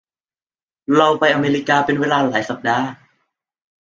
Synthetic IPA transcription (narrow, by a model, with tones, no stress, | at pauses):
ɾa˧wpa˧jʔa˧meː˧ɾi˦˧kaː˧pe˧nweː˧laː˧laː˩˦jsa˨˩p̚daː˧